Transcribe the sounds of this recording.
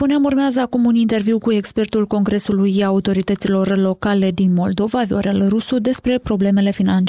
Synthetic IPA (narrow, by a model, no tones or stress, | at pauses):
puneamurmeazəakumunint̪e̞rviwkue̞kspe̞rt̪ulko̞ŋɡɾe̞sulujaut̪o̞ɾit̪ət̪silo̞rlo̞kale̞d̪inmo̞ld̪o̞vavio̞̰ɾelrusud̪e̞spɾe̞pɾo̞ble̞me̞le̞finant͡ʃ